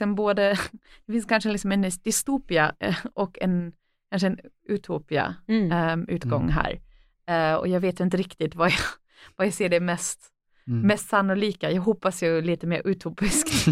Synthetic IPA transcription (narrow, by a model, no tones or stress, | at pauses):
sɛnboːd̪əd̪̥ɛfɪnskʰanʂəlɪksɔmɛnd̪̥ɪst̪uːpɪaʔɔkːɛ̰n | kʰanʂ̬əɛn | ʉt̪ʰuːpɪa̰ | ʉ̟ːt̪ɡɔŋːɦæ̰ːɾ | ɔ̰jɑːɡveːt̪ɪnt̪əɾɪkt̪ɪt̪vaja | vajaseːɖɛmɛst̪ | mɛst̪sanːʊliːkajɑːɡɦɔpːasjɵliːt̪əmḛːɾʔʉt̪ʰuːpɪskt̪